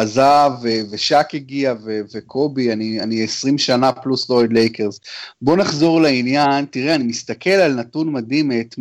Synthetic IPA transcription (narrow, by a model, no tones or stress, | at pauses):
azaveve̞ʃakiɡiavevekʰo̞bianianiesʁimʃanapluslojd̪le̞jkeʁzbo̞naχzo̞ʁleinjantiʁeanimist̪akʰe̞lalnatunmad̪imetm